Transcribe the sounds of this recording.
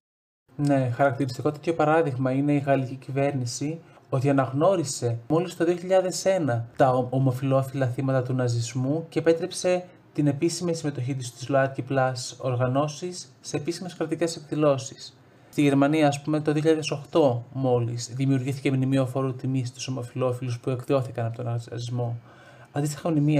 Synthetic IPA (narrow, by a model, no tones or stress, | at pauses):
ne̞xɐɾɐkt̪iɾist̪iko̞t̪e̞t̪ço̞pɐɾɐðiɣmɐine̞iɣɐlicicive̞ɾnisio̞t̪iɐnɐɣno̞ɾise̞mo̞list̪o̞ðio̞çiʎɐðe̞se̞nɐt̪ɐomo̞filo̞filɐθimɐt̪ɐt̪unɐzizmuce̞ːpe̞t̪ɾe̞pse̞ | t̪ine̞pisimisime̞t̪o̞çit̪̬ist̪izloɐtciplɐso̞ɾɣɐno̞sisːe̞ːpisime̞skɾɐt̪ice̞se̞kðilo̞si̥s | st̪iʝe̞ɾmɐniɐːspumet̪oðioçiʎɐðe̞so̞xt̪o̞mo̞lisðimiuɾʝiθice̞mnimio̞fo̞ɾot̪imist̪u̥so̞mo̞filo̞filuspue̞kðio̞θikɐnɐpo̞t̪onɐzizmo̞ | ɐnd̪ist̪i̥xɐmnimi